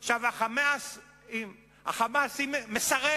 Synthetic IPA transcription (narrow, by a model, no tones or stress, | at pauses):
χʃavaχamas | i | ha̰χamasimmesaʁe